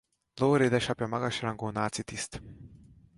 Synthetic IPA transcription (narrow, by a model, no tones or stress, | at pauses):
loɾed̪aʃapjamaɡaʃilaŋɡonaːt̪sit̪ist̪